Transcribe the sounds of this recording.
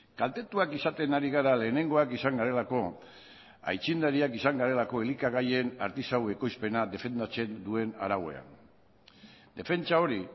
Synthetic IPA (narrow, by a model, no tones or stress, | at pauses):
kalt̪e̞t̪uakisat̪e̞naɾiɣaɾale̞ːne̞ŋɡo̞akisaŋɡaɾe̞lako̞ | a̰jt͡ʃind̪aɾiakisaŋɡaɾe̞lako̞e̞likaɣaje̞na̰ɾt̪isawe̞ko̞jspe̞naðe̞fe̞nd̪at͡se̞nd̪ue̞na̰ɾawe̞̰a̰n | d̪e̞fe̞nt͡ʃao̞ɾi